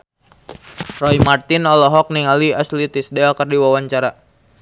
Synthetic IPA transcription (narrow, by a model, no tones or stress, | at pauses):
rɔjmart̪ɪnɔlɔɦɔk̚niŋaliaslit̪isdɛlkərdiwawaɲt͡ʃaɾa